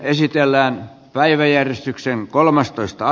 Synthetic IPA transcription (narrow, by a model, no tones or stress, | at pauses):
esit̪elːæːn | pæiʋæjærjest̪ykseŋkolmɑst̪oist̪ɑɑ